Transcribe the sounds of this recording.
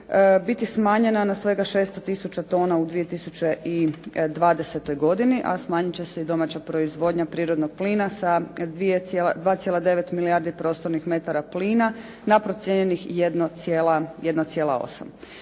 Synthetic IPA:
əbit̪ismaːɲe̞nanasʋe̞ɡaʃeːst̪ot̪isut͡ɕat̪o̞ːnaud̪ʋije̞t̪isut͡ɕeid̪ʋaːd̪ese̞t̪o̞jɡo̞d̪iniʔa̰smaːɲit͡ɕe̞se̞id̪o̞mat͡ɕapɾo̞izʋo̞ːd̪ɲapɾiːɾod̪noɡ̚pliːnasad̪ʋijet̪selad̪ʋaːt̪sjelˠad̪e̞ʋet̪miliaɾd̪ipɾo̞st̪oɾnixme̞t̪aɾapliːna | napɾo̞t̪sjeɲenixjed̪nojelajed̪not̪sjeːlˠao̞̰sa̰m

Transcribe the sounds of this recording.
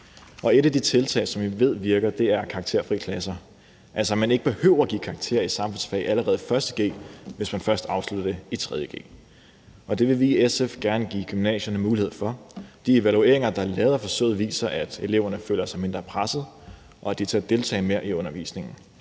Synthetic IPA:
ʔɒ̽e̝ɾæd̥it͡sʰe̝lt͡sʰɛ̰ːsɒ̽mʋiʋe̝ð̞̰ˠʋiɐɡ̥ɐd̥e̝æɐkʰɑ̈ɡ̥̚t͡sʰe̝ɐ̰fʁḭːkʰlæsɐ | ʔælsɐmæne̝ɡ̥əb̥e̝høʊ̰ɐɡ̥ḭːkʰɑ̈ɡ̥̚t͡sʰe̝̰ɐisɑ̈mfɔ̽nsfɛ̰ʔæləʁɛːð̞̩ˠfɶɐsd̥əɡ̥e̝̰ːʋe̝smænfɶɐsd̥ɑ̈ʊslud̥ɐd̥e̝it͡sʰʁɛð̞ˠjəɡ̥e̝̰ː | ɒ̽d̥e̝ʋe̝ʋiesefɡ̥æɐnəɡ̥ḭːɡ̥ymnɛ̰ːɕɐnəmuːliheð̰ˠfɒ̽d̥ie̝ʋælue̝̰ɐe̝ŋɐd̥ɑ̈ælɛːð̞ˠɐfɒ̽sø̰ːð̩ˠʋḭːsɐʔæd̥e̝le̝ʊ̰ɐnəfø̰ːlɐsɑ̈ɪme̝nd̥ʁɐpʰʁasð̞̩ˠ | ʔɒ̽æd̥it͡sʰe̝æd̥e̝lt͡sʰɛ̰ːme̝ɐ̰ʔiɔ̽nɐʋḭːsne̝ŋn̩

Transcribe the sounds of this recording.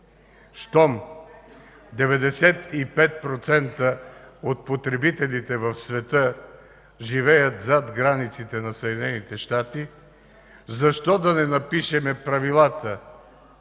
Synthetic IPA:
st̪ɔm | d̪ɛvɛd̪ɛsɛt̪ipɛt̪̚pɾot̪sɛnt̪əot̪̚pot̪ɾɛbit̪ɛlit̪ɛvɐfsvɛt̪ə | ʒivɛjət̪zat̪ɡɾanit̪sit̪ɛnɐsəd̪ʲinɛnit̪ɛʃt̪at̪i | zɐʃt̪ɔd̪ɐnɛnɐpiʃɛmɛpɾɐvilˠat̪ə

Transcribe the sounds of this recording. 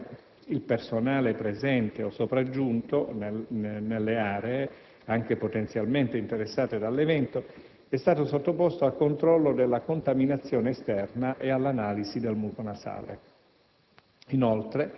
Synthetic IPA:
ilpersonaːlepɾezɛnt̪eosːopɾad͡ʒːunt̪onnelːeaːɾee | aŋk̟epot̪ent̪sjalment̪eint̪eɾesːaːt̪ed̪alːevɛnt̪o | ɛst̪aːt̪osot̪ːopost̪oalkont̪ɾɔlːod̪elːakont̪aminat̪sːjɔːneːst̪ɛrnaʔealːanaːlizid̪elmulk̪onasa̰ːlḛ | inolt̪ɾe

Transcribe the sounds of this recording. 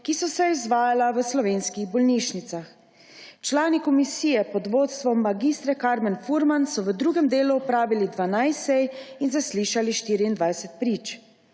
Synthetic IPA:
kisɔsɛizʋaːjalaʋəslɔʋeːnskiɣbɔlniʃnit̪sax | t͡ʃlaːnikɔmisiːjɛpɔd̪ʋot̪st̪ʋɔmːaɡiːst̪ɾɛkaɾmɛnfuɾmansɔʋəd̪ɾuːɡɛmd̪eːluɔpɾaːʋilid̪ʋanajsɛjinzasliʃaliʃt̪iːɾiːnd̪ʋajsɛt̪̚pɾiːt͡ʃ

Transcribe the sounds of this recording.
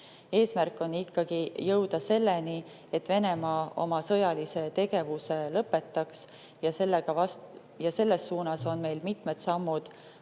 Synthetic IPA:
e̞ːsmærkːˑo̞nːikːɑɡ̥ijɤwd̪ɑse̞lːe̞ni | e̞t̪ːve̞ne̞mɑːo̞̰mɑsɤjɑlise̞t̪e̞ɡ̥e̞vuse̞lɤpːˑe̞t̪ˑːɑks | jɑselːeɡ̥ɑɑs | jɑse̞lːe̞sːuːnɑso̞nme̞jlmit̪med̪sɑmːud̪̥

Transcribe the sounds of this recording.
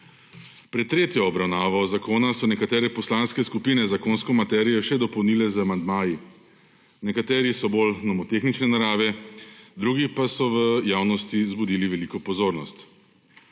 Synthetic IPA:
pɾɛt̪ːɾeːt̪jɔːbɾawnaːʋɔzakoːnasɔnɛkat̪ɛːɾɛpɔslanskɛskupiːnɛzakoːnskɔmat̪ɛːɾijɔʃɛd̪ɔpɔwniːlɛzamand̪maːji | nɛkat̪ɛːɾisɔbolnɔmɔt̪exnit͡ʃnɛnaɾaːʋɛd̪ɾuːɡipasɔʋəjaːwnɔst̪izbud̪iːliʋɛliːkɔpɔzoːɾnɔst̪

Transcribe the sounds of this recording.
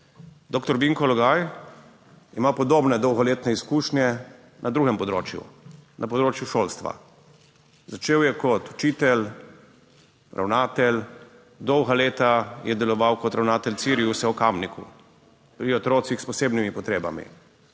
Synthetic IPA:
d̪oːkt̪ɔɾbiŋkɔlɔɡaːj | imapɔd̪oːbnɛd̪ɔwɣɔleːt̪nɛiskuːʃnʲjɛ | nʔad̪ɾuːɡɛmpɔd̪ɾo̰ːt͡ʃjṵnʔapɔd̪ɾoːt͡ʃjuʃoːlst̪ʋa̰ | zat͡ʃeːwjɛkɔt̪u̥t͡ʃiːt̪ɛl | ɾʔa̰wnaːt̪ɛl | d̪ɔwɣaleːt̪ajɛd̪ɛlɔʋawkɔt̪ɾawnaːt̪ɛltsiɾiusɛukamnikṵ | pɾiɔt̪ɾoːt̪sixspɔseːbnimipɔt̪ɾeːba̰mḭ

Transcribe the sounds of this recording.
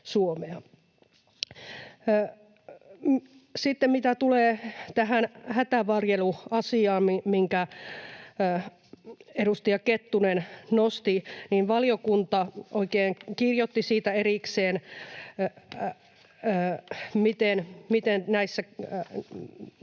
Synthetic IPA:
suomeɑ | sit̪ːemmit̪æt̪uleːt̪æɦænhæt̪æʋɑrjeluɑsiɑːmmiŋkæ | eɾust̪ijɑket̪ːunennost̪iniːnʋɑlijokunt̪ɑoikeːŋkirjot̪ːisiːt̪æeɾikseːn | mit̪enmit̪ennæisːæ

